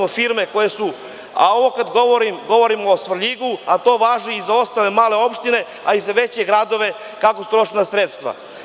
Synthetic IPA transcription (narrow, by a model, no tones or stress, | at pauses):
ofiɾme̞ko̞jesu | a̰o̞ʋokad̪ɡo̞ʋoɾimɡo̞ʋo̞ɾimosʋr̩ʎiɡuat̪o̞ːʋaːʒiizao̞st̪ale̞maːle̞o̞pʃt̪ine̞ | aizaʋet͡ɕeɡɾad̪o̞ʋe̞ | kakost̪ɾo̞ʂinasɾet̪st̪ʋa̰